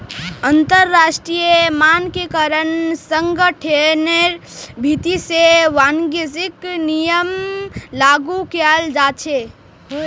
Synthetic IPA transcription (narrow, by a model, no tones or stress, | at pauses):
ənt̪əɾːaːʃʈɾijemaːnkekəɾənsəŋɡəʈʰeneɾbʱit̪iseʋanɡezɪknijəmlaːɡukald͡ʒaːt͡ʃʰe